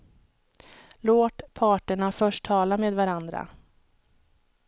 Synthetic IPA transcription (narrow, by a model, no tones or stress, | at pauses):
loːt̪pʰɑːʈəɳafœʂʈʰɑːlameːd̪vaɾand̪ɾa̰